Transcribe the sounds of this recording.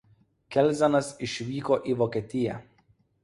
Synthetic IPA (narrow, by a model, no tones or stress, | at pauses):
kʲɛlʲzʲɛnɐsɪʃʲʋʲiːkoːʔiːʋoːkʲɛt̪ʲɪjɛ